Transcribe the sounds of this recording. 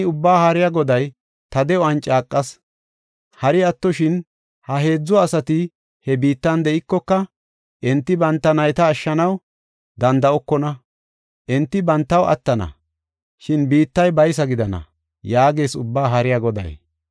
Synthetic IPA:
ʊbːaːhaːɾɪjaɡɔd̪ɐj | t̪ɐd̪ɛɔɐnt͡ʃʼaːkʼːɐs | hɐɾɪɐt̪ːɔʃɪn | hɐɦe̞ːd͡zːɔːsɐt̪ɪ | hɛbiːt̪ːɐnd̪ɛʔɪkːɔkːɐ | ʔɛnt̪ːɪbɐnt̪ːɐnɐjt̪ɐːʃːɐnɐw | d̪ɐnd̪ɐɔkːɔnɐ | ʔɛnt̪ːɪbɐnt̪ːɐwʔɐ̰t̪ːɐnɐ̰ | ʃɪnbiːt̪ːɐjbɐjsɐɡɪd̪ɐnɐ̰ | jaːɡe̞ːsʊbːaːɦɐɾɪjaɡɔd̪ɐ̰j

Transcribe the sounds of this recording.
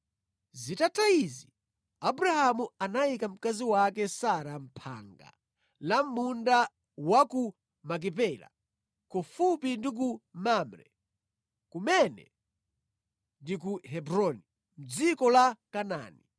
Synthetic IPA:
zitataizi | abuɾahamuanaikam̩kaziwakɛsaɾam̩pʰa̰ːŋɡa̰ | lam̩munda | waku | mak̬ipɛla̰ | kɔfupindik̬umamɾɛ̰ | kumɛnɛ̰ | ndik̬uɦɛbɾɔni | m̩d͡zikɔlakana̰ːni

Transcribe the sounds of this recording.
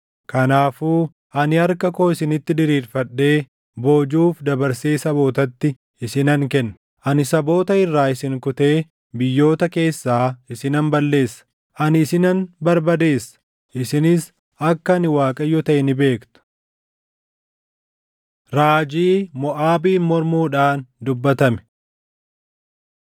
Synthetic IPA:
kɐnaːfuː | ɐnɪɐɾkɐko̞ːɪsɪnɪt̪ːɪd̪ɪɾiːɾfɐᶑːe̞ː | boːd͡ʒuːfd̪ɐbɐɾse̞ːsɐbo̞ːt̪ɐt̪ːɪ | ɪsɪnɐŋkɛnːɐ | ʔɐnɪsɐbo̞ːt̪ɐɪrːaːɪsɪŋkʊt̪e̞ː | bɪjːo̞ːt̪ɐke̞ːsːaːɪsɪnɐnbɐlːe̞ːsːɐ̥ | ʔɐnɪsɪnɐnbɐɾbɐd̪e̞ːsːɐ̥ | ʔɪsɪnɪs | ɐkːɐnɪwaːkʼɐjːɔt̪ɐʔɛnɪbe̞ːkt̪ʊ̥ | ɾaːd͡ʒiːmɔʔaːbiːmɔɾmuːᶑaːnd̪ʊbːɐt̪ɐmɛ̥

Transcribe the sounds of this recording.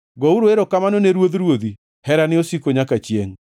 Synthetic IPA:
ɡɔuɾoeɾokamanoneɾwoðɾwoði | hɛɾanɪosikoɲakat͡ʃjḛŋ

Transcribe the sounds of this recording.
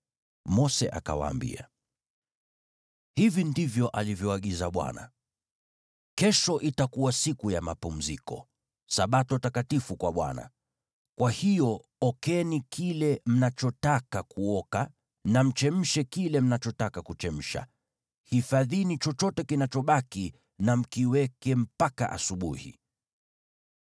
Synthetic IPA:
mɔsɛ̰ʔa̰ka̰wa̰ːmbḭa | hivindivjɔʔalivjɔaɠizaɓwa̰na̰ | kɛʃɔʔitakuwasikujamapum̩zikɔ̰ | saɓatɔtakatifukwaɓwa̰na̰ | kwahijɔɔkɛnikʰilɛm̩nat͡ʃɔtakakuɔka | nam̩t͡ʃɛm̩ʃɛkilɛm̩nat͡ʃɔtakakut͡ʃɛm̩ʃa̰ | hifaðinit͡ʃɔt͡ʃɔtɛkinat͡ʃɔɓaki | nam̩kiwɛkɛm̩paka̰ʔa̰suɓṵhḭ

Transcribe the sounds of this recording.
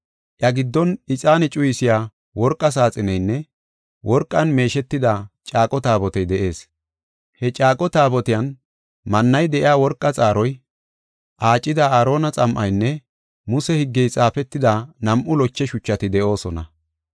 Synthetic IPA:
ʔjɐɡɪd̪ːɔnɪt͡sʼaːnɛt͡ʃʼʊjɪsɪjaː | wɔɾkʼːɐs̬aːt͡sʼɪnɛjnːɛ | wʔɔɾkʼːɐnme̞ːʃɛt̪ːɪd̪at͡ʃʼaːkʼɔt̪aːbɔt̪ɛjd̪ɛʔe̞ːs | hɛt͡ʃʼaːkʼɔt̪aːbɔt̪ɪjɐn | mɐnːɐjd̪ɛʔɪaːwɔɾkʼːɐt͡sʼaːɾɔj | ʔaːt͡ʃʼːɪd̪ɐaːɾo̞ːnɐt͡sʼɐmʔɐjnːɛ | mʊsɛhɪɡːɛjt͡sʼaːfɛt̪ːɪd̪anɐmʔʊlɔt͡ʃːɛʃʊt͡ʃːɐt̪ɪd̪ɛʔo̞ːsɔnɐ̰

